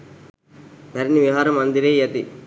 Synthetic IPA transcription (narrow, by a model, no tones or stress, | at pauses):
pɐɾiniʋiɦaːɾɐmːɐnd̪iɾejɐt̪i